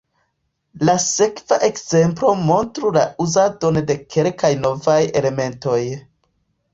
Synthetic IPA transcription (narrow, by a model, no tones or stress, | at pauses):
lase̞kvaʔe̞kz̥e̞mplo̞mo̞ntɾulauzado̞nde̞kʰe̞lkajno̞vajele̞me̞nto̞j